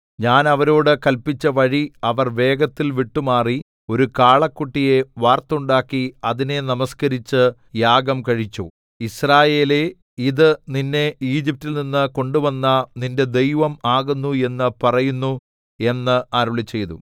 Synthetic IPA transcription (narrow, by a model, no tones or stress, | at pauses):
ɲaːnɐʋɐɾoːɽɨkɐlpit͡ɕːɐʋɐɻiɐʋɐrʋe̞ːɡɐt̪ːilʋiʈːumaːri | o̞ɾukaːɭɐkːuʈːije̞ʋaːrt̪uɳɖaːkːiɐðine̞nɐmɐskɐɾit͡ɕːɨ | jaːɡɐmkɐɻit͡ɕːu | israːje̞ːle̞ | iðɨninːe̞iːd͡ʑip̚tːilninːɨko̞ɳɖuʋɐnːɐninde̞d̪ejʋɐmaːɣunːue̞nːɨpɐrɐjunːu | e̞nːɨaːɾuɭit͡ɕːe̞jðṵ